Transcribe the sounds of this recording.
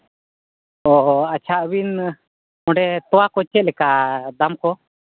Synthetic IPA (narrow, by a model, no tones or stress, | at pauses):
ɔat͡ʃʰaʔbin | ɔɖɛt̪ɔwakɔt͡ʃɛlɛkad̪amkɔ